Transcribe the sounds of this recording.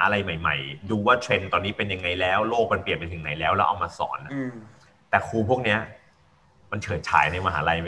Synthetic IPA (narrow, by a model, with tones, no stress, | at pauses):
ʔa˧ɾa˧jma˨˩jma̰˨˩jduː˧waː˥˩t̪ʰe˧nt̪ɔː˧nːiː˦˥pe˧nja˧ŋːa˧jlɛː˦˥wloː˥˩k̚ma˧npli˨˩ən̚tpa˧jt̪ʰɯ˩˦ŋna˨˩˦jlɛː˦˥wlɛː˦˥ʔa̰˧wmaː˧sɔ̰ː˩˦nʔ | t̪ɛː˨˩kʰuː˧pʰu˥˩ək̚ni˦˥ɐʔ | ma˧nt͡ɕʰɤː˨˦t͡ɕʰa̰ː˩˦jna˧jmaː˧ɦa̰ː˩˦˥ɾa˧j